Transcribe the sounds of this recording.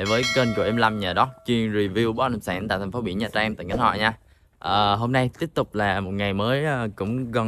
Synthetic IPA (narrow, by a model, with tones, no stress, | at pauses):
e˧˩vəː˨˦jkəː˧nku˧˩əʔɛ˧mla˧mɲaː˨˩ɗɔ˨˦t͡ɕwi˧əŋzi˨˩vi˧wɓɔ˨˦na˨˩msaː˧˩nt̪a̰ː˧˨t̪ʰa̟˨˩fo˨˦ɓḭ˧˩əɲaː˨˩t͡ɕaː˧ŋt̪ə˨˩ŋa˨˦nhwɔ̰˧˨ɲaː˧ | ʔəː˨˩ɦo˧mna˧jt̪i˦˥əp̚t̪ʊ˨˩k͡p̚laː˨˩mo˨˩t̚ŋa˨˩jməː˨˦jʔəː˧kʊ̰˧˥ŋ͡mɣɔ˨˧˩